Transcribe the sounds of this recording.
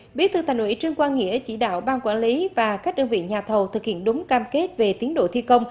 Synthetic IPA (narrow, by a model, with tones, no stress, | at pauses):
ɓi˨˦˥ət̪ʰɨ˧t̪ʰa˨˩jŋ̟hwḭ˧˥t͡ɕɨ˧əŋkwaː˧nŋḭ˧˥ət͡ɕḭ˧˩ɗa̰ː˧˨wɓaː˧nkwaː˧˩nli˨˦vaː˨˩kaː˦˥k̚ɗə˧ŋvḭ˧˨ɲaː˨˩t̪ʰə˨˩wt̪ʰɨ˨˩k̚hḭ˧˨ənɗʊ˨˦ŋ͡mkaː˧mke˦˥t̚ve˨˩t̪i˨˦ənɗo̰˧˨t̪ʰi˧kə˧wŋ͡m